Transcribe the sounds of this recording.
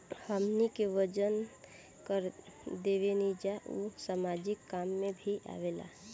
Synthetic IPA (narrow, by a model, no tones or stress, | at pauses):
həmnikeʋəd͡ʒən | kəɾd̪eʋenid͡ʒaʔusamad͡ʒɪkːamːebʱiʔa̰ʋela̰